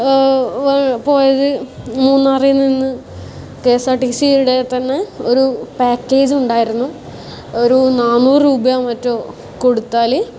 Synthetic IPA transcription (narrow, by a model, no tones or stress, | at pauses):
ʋpo̞ːjɐðɨmuːnːarijunːinːɨ | ke̞ːsaːʈisijiluɽe̞t̪ɐnːeo̞ɾupaːkːeːd͡ʑuɳɖaːjiɾunːu | oɾunaːnːuːrɾuːbɐjamɐtːoː | koɽut̪ːaːli